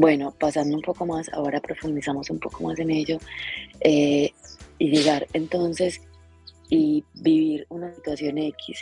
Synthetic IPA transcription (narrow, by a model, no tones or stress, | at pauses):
bwe̞no̞pasand̪oumpo̞ko̞masa̰o̞ɾapɾo̞fund̪isamo̞sumpo̞ko̞mase̞ne̞ʝo̞e | iʝe̞ɣaɾe̞nt̪o̞nse̞s | ibiβiɾunasit̪wasjo̞ne̞kʰis